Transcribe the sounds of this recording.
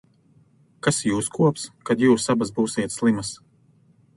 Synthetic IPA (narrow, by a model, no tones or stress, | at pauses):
kasjuːskuɔpskad̪juːsabazbuːsiɛt̪slˠimas